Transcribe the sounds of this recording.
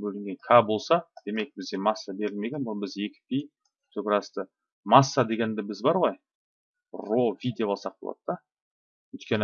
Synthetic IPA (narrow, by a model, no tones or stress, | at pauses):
bɵlɪŋɡʲe̞ŋkʲʰɑbo̞lˠsɑd̪̥e̞me̞k̚bɪzd̪ʲe̞mɑsːabe̞ɾɪlme̞ɡʲe̞nbolˠbɪze̞kʲɪ̥pʲij | t̪ʰɵkʲɪɾɑst̪ə | mɑsːad̪e̞ɡʲe̞nd̪ɪbɪzbɑɾʁo̞j | ro̞vʲid̪eolˠsɑq̚bolˠɑ̰d̪̥əd̪ɑ | wɵjt̪̚kʲe̞n